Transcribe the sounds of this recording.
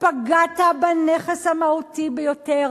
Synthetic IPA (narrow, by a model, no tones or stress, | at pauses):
paɡatabaneχeshamautibejoteʁ